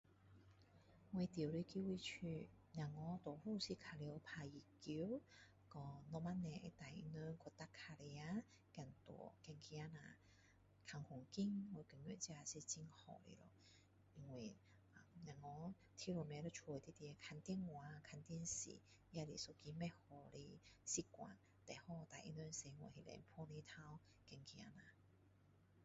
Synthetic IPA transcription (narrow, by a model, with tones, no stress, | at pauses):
wɛ˧t̪i˨˩wli˧ki˧˥wi˧t͡ʃʰy˧ | na˨ŋːɔ˧˦t̪ɔ˨˩fu˥˧si˧kʰa˨˧˩li˧pʰaː˧ji˨˩ki˧˥w | kɔ˧nɔ˧˥ma˧˥nɛ̰˧t̪a˨˩jnœ˧ŋkʰɔ˧t̪a˦˥kʰːa˧le˧ja˧ | kɛ˧nt̪ɔ̰˨˦kɛ˧nkʰi˧a˥na˧ | kʰa˧˩ŋkʰʊ˨˩ŋki˥ŋwɔ˧kə˨˩ŋjø̰˨˧˩t͡si˧˥a˧˩si˧t͡si˧˥ŋhɔ̰˨˩lḭ˧lɔ̰˧ | i˧ŋwe˨˩ | a˨mna˨˩ŋɔ˧˦ | t̪ʰi˧˥lɔ˨˧˩mɛ˧˦lə˧t͡ʃʰɔ˧˨˧t̪i˧˥t̪i˧kʰa˧nt̪i˧˥nŋwa˨˧kʰa˧nt̪i˥˧ə˧nsḭ˨ | ja˧li˨˩so˧ki˧mɛ˧˥hɔ˧˩li˧si˧˦kʷwa̰˨n | t̪ɛ˨˩hɔ˧t̪a˨˩jʔḭ˧nø˧nsɛ˧ŋwɔ̰˧˨hi˧˩lɛ̰˧˦npʰɔ˥˧ni˧t̪ʰa˧w | kɛ˧ŋkʰi˧a˧na˨˧